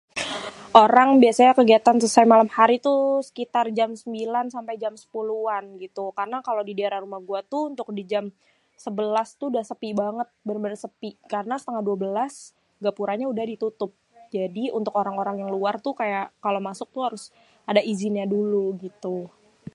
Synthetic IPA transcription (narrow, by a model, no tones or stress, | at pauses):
ʔoɾaŋbiasaɲakəɡiat̪ansəsajmalamhaɾit̪usə̥kit̪ard͡ʒamsəmbilansampajd͡ʒamsə̥puluanɡit̪ukarənakalodidaaɾarumahɡuat̪uunt̪ʊk̚did͡ʒam | səbəlast̪udahsəpibaŋət̪̚bənbənsəpikarənasə̥t̪əŋahduabəlas | ɡapuɾaɲaudahdit̪ut̪ʊp̚d͡ʒadiṵnt̪ʊkoɾaŋoɾaŋjaŋluart̪ukajaʔkalomasʊk̚t̪uhaɾʊs | adaizɪnɲaduluɡit̪u